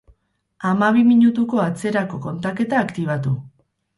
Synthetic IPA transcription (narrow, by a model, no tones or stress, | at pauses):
amaβ̞imiɲut̪uko̞at͡se̞ɾako̞ko̞nt̪ake̞t̪aːkt̪iβ̞at̪u